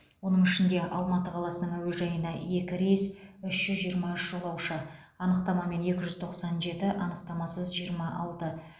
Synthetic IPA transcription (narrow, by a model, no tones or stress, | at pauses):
wo̞nəɴɪʃɪnd̪e̞ʔɑlˠmɑt̪əqʰɑlˠɑsənəŋæwezʒɑjənd̪ɑje̞kʲɪɾejsʏʃʒ̥ʏzʒijəɾmɑʏʃʒo̞lˠɑwʃə | ɑnəqt̪ɑmɑme̞ne̞kʲɪʒʏzt̪ʰo̞qsɑnʒe̞t̪ɪʔɑnəqt̪ɑmɑsəzʒijəɾmɑʔɑlˠt̪ə